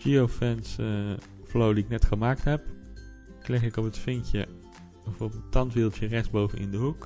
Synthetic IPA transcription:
d͡ʒiofɛns | flowdiɪknɛtχəmaːk̚tɦɛp | klɛχɪkɔpətfɪŋkjə | əfɔbətɑntʋɪlˠtjərɛχsbowvənʔɪ̰ndəɦuk

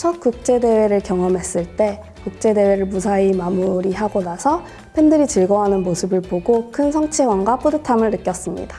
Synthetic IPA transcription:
t͡ɕʰʌk͈uk̚t͡ɕ͈e̞de̞we̞ɾɯɭkjʌŋʌmɦe̞s͈ɯɭt͈e̞ | kuk̚t͡ɕ͈e̞de̞we̞ɾɯɭmusʰaimamuɾiɦaɡonasʰʌ | pʰe̞ndɯɾit͡ɕɯɭɡʌɦanɯnmosʰɯbɯɭpoɡokʰɯnsʰʌŋt͡ɕʰewaŋɡap͈odɯtʰamɯɭnɯk͈jʌs͈ɯmɲḭdḁ

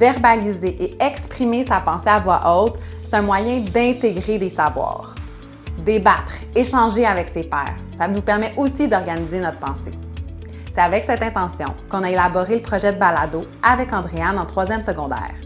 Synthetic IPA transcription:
vɛʁbalizeʔeɛkspχimesapɑ̃seavwaʔɔt̪χse̥t̪ɛ̃mwajɛ̃d̪ɛ̃t̪eɡʁed̪esavwɑ̰ːʁ | d̪ebat̪χ | eʃɑ̃ʒeavɛksepɛ̰ːʁsanupɛʁmɛʔosid̪ɔʁɡanizenɔt̪̚χpɑ̃se | sɛavɛksɛt̪ɛ̃t̪ɑ̃sjɔ̰̃kɔ̃naelabɔʁeləpχɔʒɛd̪əbalad̪o | avɛkɑ̃d̪ʁeanɑ̃t̪χwazjɛmsəɡɔ̃d̪ɛ̰ːʁ

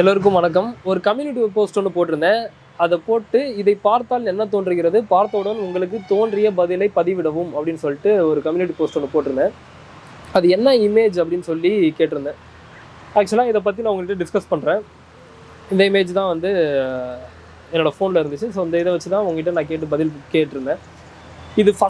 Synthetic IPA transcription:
ɛlːɐɾɯk̬ːɯ̃mʋɐnɐkːɐmɔɾɯkɐmjuːnɪʈ̬ːipoːsʈɔɳːɯpoːʈɪɾɯnd̪ɐ̃ | ɐðɐpoːʈːɯɪðɐɪpaːɾt̪aːlɛnːɐt̪oːnɖrɯɣɪɾɐðɯpaːɾt̪ːɐʋɯɽɐnːʊŋɡɐɭɯk̬ːɯt̪oːnɖrɪjɐbɐðɪlɐɪpɐðiʋɪɽɐʋɯmɐpːɐɽɪnːɯsɔlːɪʈːɯɔɾɯkɐmjuːnɪʈ̬ːipoːsʈɔɳːɯpoːʈːɪɾɯnd̪ɐ | ɐðɯɛnːɐɪmeːd͡ʒɐpːɐɽɪnːɯsɔlːikeːʈːɪɾɯnd̪ɛ̃ | aːkt͡ʃːɐlãːɪðɐp̬ːɐt̪ːinãːʊŋɡɐkɪʈːɐɖɪskɐspɐɳːɾẽː | ɪnd̪ɐɪmeːd͡ʒt̪ãːʋɐnd̪ɯ | ɛnːoːɽɐfoːnɪlɐɪɾɯnd̪ɯt͡ʃːɯsoːɪnd̪ɐɪðɐʋɐt͡ʃːɯt̪ãːʊŋɡɐkɪʈːɐnãːk̬eːʈ̬ːɯbɐðɪlkeːʈːɪɾɯnd̪ẽː | ɪðɯfɐs

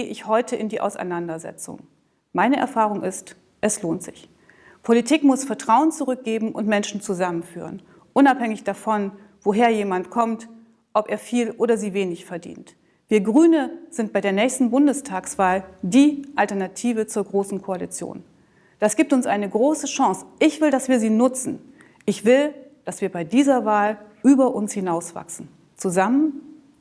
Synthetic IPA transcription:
əʔɪçhɔʏtʰəɪndiːʔa̰ʊsa̰ɪnandɐzɛ̰t͡sʊ̰ŋ | maɪnəʔɛ̰ɐfaːʁ̞ʊŋʔɪst | ʔɛsloːntz̥ɪç | pʰolitʰiːkmʊsfɛɐtʁ̥aʊənt͡suʁʏk̚ɡ̥eːbm̩ʔʊntmɛnʃn̩t͡suzamənfy̰ːʁ̞ə̰n | ʔʊnaphɛŋɪçd̥afɔn | v̥oɦeːɐjeːmantkʰɔmt | ʔɔpʔeːɐfiːlʔoːɾɐziːveːnɪçfɛɐdḭːnt | v̥iːɐɡʁyːnəz̥ɪnt̚b̥aɪdeːɐnɛːçstn̩bʊndəstʰaːksv̥aːldiːʔaltɛɐnatʰiːvət͡suːɐɡʁoːsn̩kʰoalḭt͡sjo̰ːn | d̥asɡ̥iːptʊnsʔaɪnəɡʁoːsəʃãŋsʔɪçv̥ɪldasv̥iːɐziːnʊt͡sn̩ | ʔɪçv̥ɪld̥asv̥iːɐbaɪdiːzɐvaːlʔyːbɐʔʊnshɪnaʊsv̥a̰ksn̩ | t͡suzamən

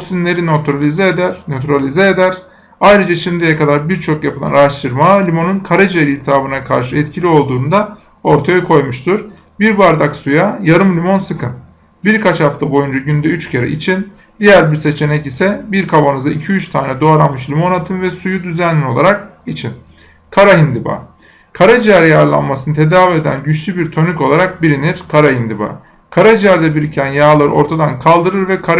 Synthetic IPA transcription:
oksynlʲe̞ɾinot̪ʰɾalʲizɛːd̪æɾno̞t̪ʰyɾalʲizɛːd̪æɾ̥ | ajɾɯd͡ʒaʃimd̪ijɛkad̪aɾbiɾt͡ʃʰo̞kjapʰɯlˠa̰naɾaʃt̪ʰɯɾmalʲimo̞nunkʰaɾad͡ʒieɾʲihit̪ʰaːbɯnakʰa̰ɾʃɯɛt̪cʰilʲio̞lˠd̪uːnd̪a | o̞ɾt̪ʰajakʰo̞jmuʃt̪ʰuɾ | biɾbaɾd̪aksujajaɾɯmlʲimo̞nsɯkʰɯn | biɾkʰat͡ʃhaft̪ʰabo̞jund͡ʒaɟynd̪ɛyt͡ʃcʰeɾa̰ʔḭt͡ʃʰin | d̪ijæɾbiɾse̞t͡ʃʰe̞nɛcisɛbiɾkʰabanɯzaicʰiyt͡ʃt̪ʰaːnɛd̪oaɾanmɯʃlʲimo̞nat̪ʰɯnvɛsujud̪yzænlːio̞lˠa̰ɾak̚it͡ʃʰin | kʰaɾaɦind̪iba̰ː | kʰaɾad͡ʒiaɾijaɾlˠa̰nmasɯnɯt̪ʰe̞d̪aːvie̞d̪æ̰nɟyt͡ʃlʲybiɾt̪ʰø̞nyco̞lˠaɾak̚biɾiniɾ̥kʰaɾaɦind̪iba̰ː | kʰaɾad͡ʒiæɾd̪ɛbiɾicʰænjaːlˠaɾɯ̰ʔo̞ɾt̪ʰad̪ankʰalˠd̪ɯɾɯɾvɛkʰaɾ

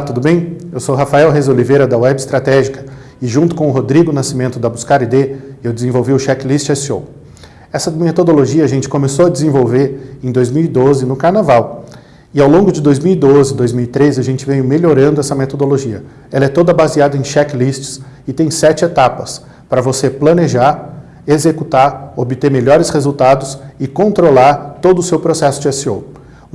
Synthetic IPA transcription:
t̪ud̪ʊbẽj̃ | ewsowɦafaɛwɦezolivejɾɐd̪ɐwɛbɪst̪ɾat̪ɛʒikɐ | ɪʒũt̪ʊ̥kõʊɦod̪ɾiɡʊnasimẽnt̪ʊd̪ɐbuskaɾid̪eewd͡ʒɪzẽvowviʊʃɛklist͡ʃɛsio̰ | ɛsɐmet̪od̪oloʒiɐʒẽnt͡ʃɪ̥kõmesoɐd͡ʒɪzẽvowveɾẽj̃d̪ojzmiwid̪ozɪnʊkaɾnavaw | ɪawlõŋɡʊd͡ʒɪd̪ojzmiwid̪ozɪd̪ojzmiwit̪ɾezɪɐʒẽnt͡ʃɪvẽj̃ʊmeʎoɾɐ̃nd̪ʊɛsɐmet̪od̪oloʒiɐ | ɛlɐɛt̪od̪ɐbaziad̪ɐẽj̃ʃɛkɪlist͡ʃɪ̥s | ɪt̪ẽj̃sɛt͡ʃɪet̪apɐs | pɾɐvoseplɐneʒaɾ | ezekut̪aɾobɪt̪eɾmeʎɔɾɪshezuwt̪ad̪ʊsɪkõnt̪ɾolaɾt̪od̪ʊsewpɾosɛsʊd͡ʒɪɛsio̰w

